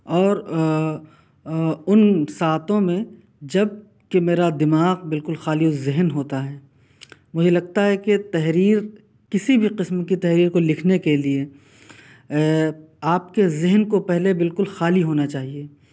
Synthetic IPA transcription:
ɔːɾ | ʊnsaːt̪õmẽ | d͡ʒɐb̚ | kemeːɾad̪ɪmaːɣbɪlkʊlxaːliozɪɦnɦoːt̪aɦɛː | mʊd͡ʒʱelɐɡ̚t̪aɦɛket̪ɛɦɾiːɾ | kɪsibʱiqɪsmkit̪ɛɦɾiːɾkolɪkʰnekelie | aːp̚kezɪɦənkopɛɦlebɪlkʊlxaːliɦoːnat͡ʃaːɦieː

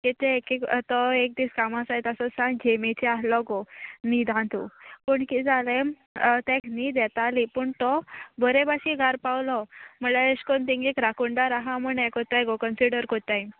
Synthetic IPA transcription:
kit̪ekekt̪ɔek̚d̪iːskamasajt̪asɔsãŋd͡ʑemet͡ɕiaslɔɡɔnid̪ʱãnt̪ṵpəɳkid͡zalem | t̪ẽknid̪ɛt̪alipəːɳt̪ɔbəɾebaɕiɡaɾpawlɔməlaeskont̪ĩŋɡekɾakuɳɖaɾaɦaməɳekɔt̪aɡokənsiɽəɾkot̪aj

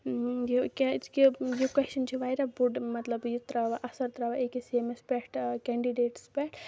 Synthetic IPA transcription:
jukekijukɐʃʰint͡ʃʰiʋajɾɐbuɖmɐt̪lɐbjut̪ɾaʋaʔɐsɐɾt̪ɾaʋaekisemespɛʈkɛːɳɖiɖeːʈspɛʈ

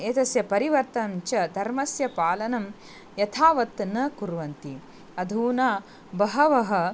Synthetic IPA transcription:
eːt̪ɐsjɐpɐɾiʋɐɾt̪ɐnt͡ʃɐd̪ʱɐɾmɐsjɐpaːlɐnɐm | jɐt̪ʰaːʋɐt̪nɐkuɾʋɐnt̪i | ɐd̪ʱuːnaː | bɐɦɐʋɐɦɐ̆

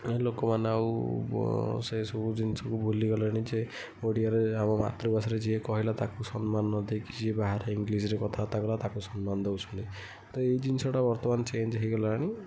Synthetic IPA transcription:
elokɔmanaw | sesɔbud͡ʒinisɔkubʱuliɡɔlaaɽ̃id͡ʒe | oɽijaɾeamama̰t̪ɾibasaɾed͡ʒiekɔɦilat̪akusɔnmanːɔd̪ekid͡ʒiebaɦaɾeiŋɡlisɾekɔt̪ʰaɔt̪aɡɔlat̪akusɔnmand̪ewt͡ʃʰɔnt̪i | t̪ɔejd͡ʒinsɔʈabɔɾt̪ɔmant͡ʃend͡ʒɦiɡɔlaɽ̃i

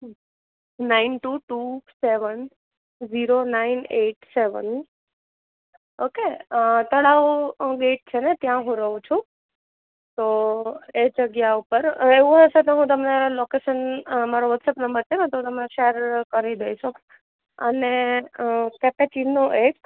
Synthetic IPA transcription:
nainʈuʈuseʋən | ziɾonaineʈseʋə̰n | oket̪əɽaʋɡeʈ̚t͡ʃʰenet̪jãɦũɾəɦũt͡ʃʰũ | t̪oed͡ʒəɡjaupəɾeʋũɦəʃet̪oɦũt̪̬əmnelokeʃənmaɾoʋət̪səpnəmbəɾt͡ʃʰenẽt̪ot̪əmneʃeəɾkəɾid̪əjʃo | əne | kɛpet͡ʃinːoʔek

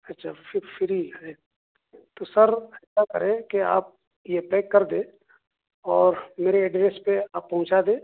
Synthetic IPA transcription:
ɐtːʃʰafɪfʰɪɾiɦɛ | t̪osəɾɛːsakɐ̰ɾẽkea̰ːp̚ | jepɛːkːɐɾd̪ẽː | ɔːɾmeːɾeɛɖɾeːspeaːpːɐɦʊ̃t͡ʃad̪ẽː

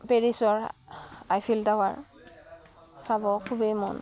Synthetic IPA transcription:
peɹisɔɹ | ajpʰiltaɦʊa̰ɹ | sabɔkʰubejmɔ̰n

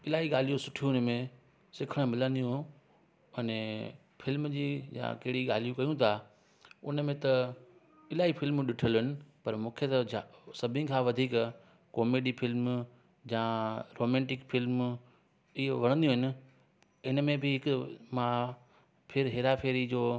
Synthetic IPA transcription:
ɪlaːɦiɠaːl̤ijũsʊʈʰijũɪnmẽ | sɪkʰəɽ̃mɪlə̃nd̪ijũ | ɛne | fʰɪlmd͡ʑiːjã̰kɐɦɪɽiɠaːl̤ijũkɐjũt̪ʰa | ʊ̰nəmẽt̪ɐ | ɪlaːifɪlmɗɪʈʰəlɦɪnɪ̆pɐɾmũːkʰet̪ɐasɐbʱɪ̃kʰãʋɐd̪ʱiːk | kɔːmeːɖifɪlm | jãɾoːmɛ̃ːɳʈɪkfɪlm | ɪɦʋɐɽ̃nd̪ijũɦɪ̃nɪ̆ | ɪnəmẽbɪɦɪkmã | pʰɪɾɦeːɾapʰeːɾid͡ʑoː

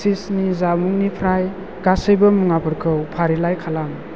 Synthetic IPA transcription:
sisnizamuŋnipʰɾaj | ɡ̥asəjbəmuŋapʰɯɾkʰɯwpʰaɾilajkʰalam

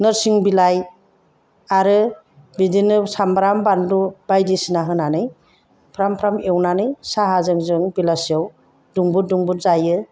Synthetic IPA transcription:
nɯɾsiŋbilaj | aɾɯ | bidinɯsambɾambandubajdisinaɦɯnanɯj | pʰɾampʰɾamewnanɯjsaɦazɯŋzɯŋbilasijaw | duŋbuduŋbutzajɯ

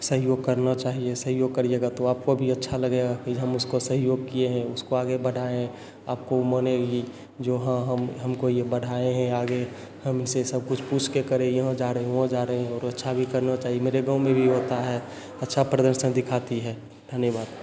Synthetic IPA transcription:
səɦjoːɡ̚kəɾnat͡ʃaːɦiesəɦjoːɡ̚kəɾieɡat̪oaːp̚kobʱiɐtːʃʰaləɡeɡakɦəmʊskosəɦjoːɡ̚kieɦɛ̃ʊskoaːɡebəɽʱaẽɦɛ̃ | aːp̚koməneɡi | d͡ʒoːɦə̃ɦəmɦəmkojebəɽ̤ʱaẽɦɛ̃aːɡe | həmɪnsesəb̚kʊt͡ʃʰpuːt͡ʃʰkekəɾẽjəɦãd͡ʒaːɾəɦeɦõd͡ʒaːɾəeɦɛ̃ɔːɾətːʃʰabʱikəɾnat͡ʃaːɦiemeːɾeɡãʊ̃mẽbʱiɦoːt̪aɦɛː | ɐtːʃʰapɾəd̪əɾʃənd̪ɪkʰaːt̪iɦɛː | d̪ʱənjəbaːd̪

